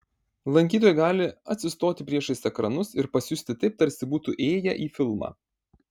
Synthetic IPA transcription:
lˠɐŋʲkʲiːt̪oːjɛɡɑːlʲɪɐt̪ʲsʲɪst̪oːt̪ʲɪpʲɾʲiɛʃɐɪsɛkɾɐnʊsɪɾpɐsʲjʊsʲt̪ʲɪt̪ɐɪp̚t̪ɐɾʲsʲɪbuːt̪uʔeːjɛ̰ʔiːfʲɪlˠmɑ̰ː

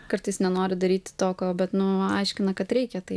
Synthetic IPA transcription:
kɐrt̪ɐɪsnʲɛnoːɾʲɪd̪ɐɾʲiːt̪ʲɪ̥t̪oːkʲoːbʲɛt̪nʊɐ̰ɪʃʲkʲɪnɐkɐt̪ɾʲɛɪkʲɛt̪ɐɪ

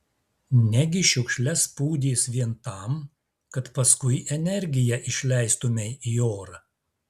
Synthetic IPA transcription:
nʲɛɡʲɪʃʲʊkʃʲlʲɛspuːd̪ʲiːsʋʲiɛnt̪ɐˑm | kɐt̪pɐskʊɪʔɛnʲɛɾʲɡʲɪjɛʔɪʃʲlʲɛˑɪst̪ʊmʲɛɪioːɾɐ

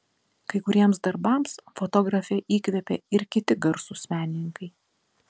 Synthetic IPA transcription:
kɐɪkʊɾʲiɛmsd̪ɐɾbɐˑmsfot̪ɔːɡɾɐfʲɛʔiːkʋʲɛpʲɛ̰ɪɾkʲɪt̪ʲɪɡɐɾsusʲmʲæːnʲɪnʲɪŋkɐɪ

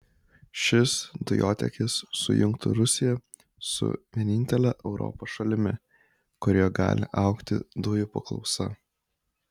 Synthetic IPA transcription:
ʃʲɪsd̪ʊjoːt̪ʲɛ̰kʲɪsːʊ̰jʊŋkt̪ʰʊɾʊsʲɪjɛ | sʊ̰ʋʲiɛnʲɪnʲt̪ʲɛlʲɛʔɛʊɾɔ̰poːsʃɐlʲɪmʲɪ | kʊɾʲoːɡɑ̰ːlʲɪ̰ʔɑʊkt̪ʲɪd̪ʊjʊpɐklˠɒ̰ʊsɐ̰

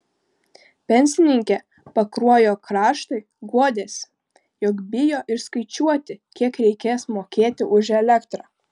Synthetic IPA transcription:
pʲɛnʲsʲɪnʲɪŋʲkʲɛ | pɐkɾuɔjoːkɾɑːʃt̪oɪ | ɡuɔd̪ʲeːsʲ | jɔkbʲɪjoːʔɪɾskɐɪt͡ʃʲuɔt̪ʲɪkʲiɛkɾʲɛɪkʲeːsmoːkʲeːt̪ʲɪʔʊʒɛlʲɛkt̪ɾɑː

